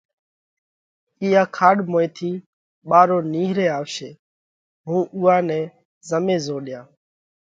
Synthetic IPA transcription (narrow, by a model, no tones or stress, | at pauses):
iːaːkʰaːɗmoːeːt̪ʰiː | ɓaːɾoːniːɦɾeːaːʋʃeː | ɦũːʔʊːãːnɛ̃ː | zəmẽːzoːɗɪjãː